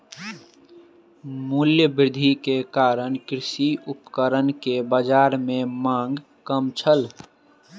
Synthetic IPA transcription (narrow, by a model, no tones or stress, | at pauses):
muljəbɾɪd̪ʱikekaːɾənkɾɪʃiʊpkəɾənkebəd͡ʒaːɾmẽmãŋɡ | kəmt͡ʃʰəl